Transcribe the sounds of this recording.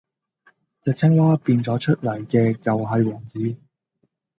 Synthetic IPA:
t͡sɛ˨k̚t͡sʰɛ˥ŋwaː˥piː˧nt͡sɔː˨˥t͡ʃʰɵ˥t̚lɐ˨˩jkɛː˧kɐ˨wɦɐ˨jwɔː˨˩ŋt͡siː˨˥

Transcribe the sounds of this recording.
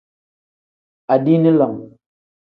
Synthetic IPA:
a˨di˦ni˦lɔ˨ŋ

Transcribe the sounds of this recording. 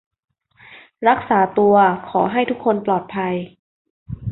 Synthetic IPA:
ɾa˦˥k̚saː˩˦t̪u˧ɐkʰɔː˩˦ɦa˥˩jt̪ʰu˦˥kʰːo˧nplɔː˨˩t̪̚pʰa˧j

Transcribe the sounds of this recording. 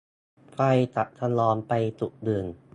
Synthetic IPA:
fa˧jt̪a˨˩ʔ̚t̪ʰa˧nlɔː˧npa˧jt̪u˨˩k̚dɯː˨˩n

